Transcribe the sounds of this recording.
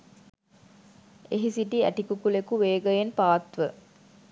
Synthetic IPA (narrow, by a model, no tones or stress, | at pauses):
eɦisiʈiæ̰ʈikukulekuʋeːɡəjenpaːt̪ʋə